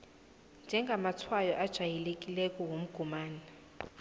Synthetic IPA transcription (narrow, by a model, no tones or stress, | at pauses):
nd͡ʒʱɛŋɡʱamatʰwajɔʔad̥ʒ̥ʱajɛlekʼilɛkʼɔwom̩ɡ̥ʱumaːna